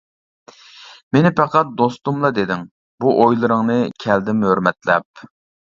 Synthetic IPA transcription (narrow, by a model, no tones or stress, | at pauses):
menɪpæqɑt̪̚d̪ost̪umlˠɑd̪ed̪ɪŋ | buʔojlˠɨɾɨŋnɨkʲʰɛld̪ɪmhøɾmɛt̪lɛp̚